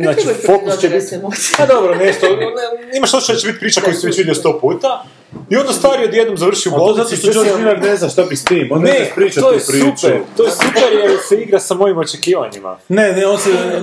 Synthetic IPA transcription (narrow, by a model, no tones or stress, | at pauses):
nat͡ʃifokust͡ʃepad̪obɾoneʃt̪oimaʃot͡ʃeat͡ɕt͡ʃebit̪̚ʲpɾiːt͡ʃako̞just̪iʋet͡ɕʋid̪jelist̪o̞ːpuːt̪a | io̞nd̪ast̪ʋaːɾiod̪jed̪nomzaʋɾr̩ʃiublozat̪oʃt̪od͡ʒoɾimaɾneznaʃt̪abist̪iːmonnepɾiːt͡ʃat̪ojepɾiupɾt̪ojesupeɾjeseiɡɾasamo̞jimo̞t͡ʃekiːʋa̰ɲima̰neneonsɛ